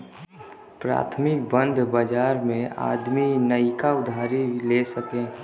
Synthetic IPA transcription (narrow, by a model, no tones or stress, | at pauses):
pɾa̰ːt̪ʰmɪk̚bə̃nd̪ʱbəd͡ʒaːɾmẽa̰ːd̪minəikaʊd̪ʱaːɾilesəkẽ